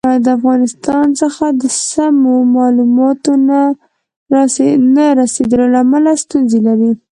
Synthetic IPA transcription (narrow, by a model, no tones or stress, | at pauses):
ad̪əafɣɑnɪst̪ɑnsəxad̪əsamomɑlumɑt̪ona | naɾased̪əlolaːmalast̪unzelaɾi